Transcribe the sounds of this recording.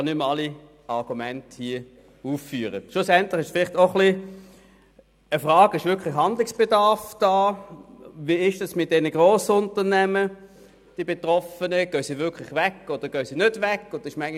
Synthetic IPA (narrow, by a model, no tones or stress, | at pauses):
ɑnʏmɑli | ɑʁɡ̥umɛnthiːə | uːfːyːʁəʃlʊsɛntlɪχɪʃsfɪlɪχtoχli | əfʁaːɡɪʃʋʏɐkʰlɪχhɑndlɪksb̥edɑʁfd̥aː | viːɪʃd̥ɑsmɪt̚d̥ɛnəɡʁoːsəʊntəʁnɛmə | d̥ibetʁɔfənəɡ̥œːsiːvʏkʰlɪχʋɛkːod̥əɡ̥œʏsiːnødvɛkːod̥əɪʃmæɪŋ